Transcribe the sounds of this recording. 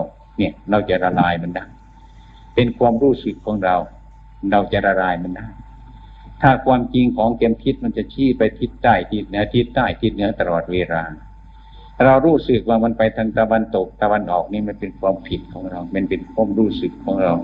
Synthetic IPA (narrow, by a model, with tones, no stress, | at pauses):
w | ni˧˩ə˨ɾa˧wt͡ɕa˨ʔɾa˧laː˧jma˧˥˨ndaː˥˩˨j | pe˧nkʰwaː˧˨mɾuː˧˩sɯ˨˩kʰːɔː˨˦ŋɾa˧w | ɾa˧wt͡ɕa˨ɾa˧laː˧jma˧˥˨ndaː˥˩˨j | t̪ʰaː˧˩kʰwaː˧mt͡ɕi˧ŋkʰɔː˨˦ŋke˧mpʰi˧˥t̪̚ma˧˥˨nt͡ɕa˨˧˩t͡ɕʰiː˧˥˨pa˧jpʰi˧˥t̪ːaː˧˩jt̪ʰi˧˩t̪̚nɯ˧˦˥t̪ʰi˧t̪ːaː˧˩jt̪ʰi˧t̪̚nɯ˨˦ɐ˧˨t̪a˧lɔː˨˩t̪̚weː˧ɾaː˧ | a˧ɾa˧wɾuː˧˥˩sɯ˨˩k̚waː˧ma˧˥˨npa˧jt̪ʰaː˧ŋt̪a˧wa˧˨nt̪o˨˩k̚t̪a˧wa˧˨nʔɔː˨˩k̚niː˧˥˨ma˧˥˨npe˧nkʰwaː˧˥mpʰi˨˧˩t̪̚kʰɔː˨˦ŋɾa˧wm˧˥˨npe˧˨nkʰwu˧˥˨mɾuː˧˩sɯ˨˩kʰːɔː˨˦ŋɾa˧w